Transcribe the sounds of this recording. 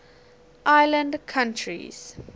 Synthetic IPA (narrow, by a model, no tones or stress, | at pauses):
ʔaɪlə̃ndkʰãntʰɹḭz̥